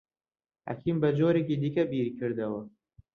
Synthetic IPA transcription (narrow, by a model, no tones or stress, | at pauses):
ha̰kʰiːmbɐd͡ʒoːɾekiːd̪ikɐbiːɾikʰɨɾd̪ɐwɐ